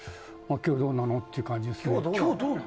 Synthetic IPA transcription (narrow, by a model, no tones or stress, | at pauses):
makʲoːd̪õnːanot̪ːeiɯ̟kãɲ̟d͡ʑid̪es